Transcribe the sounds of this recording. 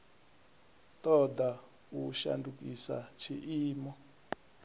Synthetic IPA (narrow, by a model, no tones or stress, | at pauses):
t̪ɔd̪a | uʃa̰nduk̬ʼisa̰t͡ʃʰiʔiːmɔ